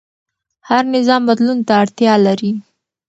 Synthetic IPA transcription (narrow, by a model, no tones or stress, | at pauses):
haɾnɪzɑmbad̪lunt̪aːɽt̪jɑlaɾi